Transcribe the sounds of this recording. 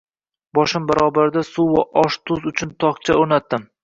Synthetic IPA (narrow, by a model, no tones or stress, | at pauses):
bɒʃɪmbaɾɒbaɾɪd̪asʊva̰ʔɒʃt̪ʰʊzʊt͡ʃʰʊnt̪ʰɒqt͡ʃʰaoɾnat̪ːɪm